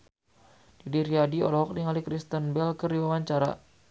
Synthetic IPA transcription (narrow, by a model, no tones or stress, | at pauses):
d̥idiɾiadiɔ̰lɔɦɔk̚diŋalikɾist̪ənbɛlkəriwawaɲt͡ʃaɾa̰